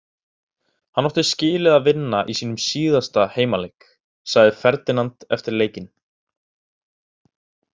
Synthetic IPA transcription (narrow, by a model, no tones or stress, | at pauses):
hanːɔht̪ɪscɪːlɪðaðvɪnːaʔisiːnʏmsiːðast̪aheːjmaleːk | saɣðɪfɛɾt̪ɪnant̪ɛft̪ɪɾleːjcɪn